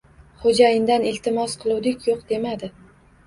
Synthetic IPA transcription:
χod͡ʒajɪnd̪anɪlt̪ʰɪmɒsqʰɨlˠʊwd̪ɪkʲjoq̚d̪e̞mad̪ɪ

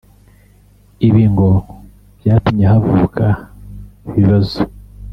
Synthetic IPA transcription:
iβiːŋɡo̞ | βjaːtumɲeɦavuːkʰa | iβiβazo

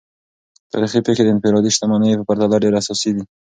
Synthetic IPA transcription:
t̪a̰ɾixipexed̪əɪnfɪɾɑd̪iʃt̪amanəjepəpaɾt̪alaɖeɾasɔsid̪i

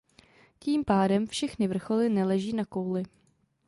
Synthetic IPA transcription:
ciːmpaːdɛmfʃɛxnɪvr̩xolɪnɛlɛʒiːnakowlɪ

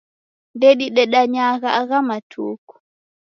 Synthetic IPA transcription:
ndeɗiɗɛɗaɲaːɡaaɡamatʰoːkɔ̥

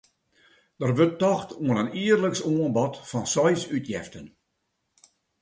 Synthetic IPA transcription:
d̥ərʋøtːɔxtʰuənəniərləksoənbɔtfɔnsɔjsytjɛftən

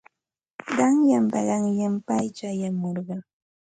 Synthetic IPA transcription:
ɢɑŋjampɑ̰ɢɑŋjampajt͡ʃaːjamoɾɢɑ

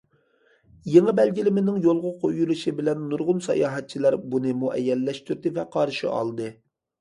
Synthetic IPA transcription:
jeŋɨbɛlɡʲilɪmɪnɪŋjolˠʁʊqʰojulˠuʃibɪlɛnːuɾʁʊnsɑ̰jɑːɦɛt̪̚t͡ʃʰilˠæɾbunɨmuʔɛ̰jːɛlːɛʃt̪yɾd̪ɪvɛqʰɑɾʃḭɑ̰lˠd̪ɨ

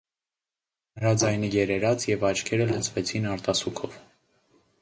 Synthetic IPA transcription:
nəɾɑd͡zɑjnijɛɾɛɾɑt͡sʰjɛvɑt͡ʃʰkʰɛɾələt͡sʰvɛt͡sʰinɑɾt̪ɑsukʰɔv

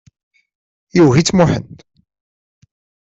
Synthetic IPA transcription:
juɦit͡sːmʊħə̰nd̪

